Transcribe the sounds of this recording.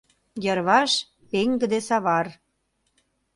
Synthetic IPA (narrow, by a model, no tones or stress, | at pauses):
jəɾβɑʃ | peŋɡə̆d̪esɑβɑr